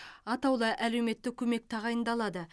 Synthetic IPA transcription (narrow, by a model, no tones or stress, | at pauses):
ɑt̪ɑwlˠɑʔælewme̞t̪ːɪkʲʰɵme̞k̚t̪ʰɑʁɑjənd̪ɑlˠɑd̪ə